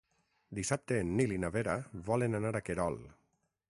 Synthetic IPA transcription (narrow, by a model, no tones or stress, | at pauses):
d̪isap̚t̪eːnːilinaβeɾaβɔlenanaɾakeɾɔl